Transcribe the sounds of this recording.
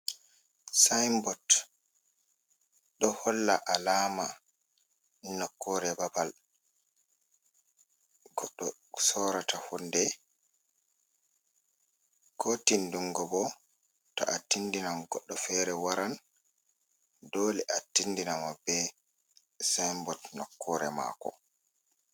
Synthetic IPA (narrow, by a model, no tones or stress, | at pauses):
sajmbɔt | ɗɔhɔlːaʔalaːma | nɔkːɔɾɛbabal | ɡɔɗɔ | sɔːɾatʰahundɛ | kʰotinduŋɡɔbɔ | ta̰ʔatːindinamɡɔɗːɔfɛːɾɛwaɾan | dɔːlɛʔatːindinamabɛ | sɛmbɔtnɔkːɔɾɛma̰ːkɔ̰